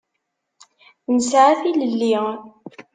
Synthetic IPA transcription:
nəsʕaθiləlːi

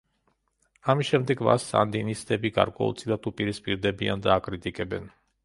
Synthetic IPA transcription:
amisʃɛmd̪ɛɡva̰sa̰nd̪inist̪ʼɛbiɡa̰ɾkʼwɛ̰ṵlt̪sʰilˠad̪upʼiɾispʼiɾd̪ɛbiand̪aːkʼɾit̪ʼikʼɛbɛn

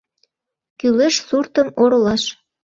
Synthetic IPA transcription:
kyleʃsurt̪ə̆moɾolɑʃ

